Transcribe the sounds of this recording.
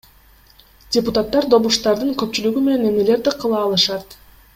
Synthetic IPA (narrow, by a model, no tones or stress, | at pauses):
dʲeput̪at̪ːɑɾd̪o̞βuʃt̪ɑɾd̪ɯŋkø̞pt͡ʃylyɡyme̞ne̞ne̞me̞le̞ɾd̪iqʰɯlˠɑːlˠɯʃɑt̪